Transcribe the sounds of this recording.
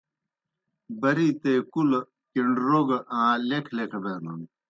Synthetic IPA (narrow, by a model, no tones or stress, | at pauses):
bɐɾiːt̪eːkul | kiɳɖɾoːɡɐʔãːlekʰlekʰɐbeːnɐn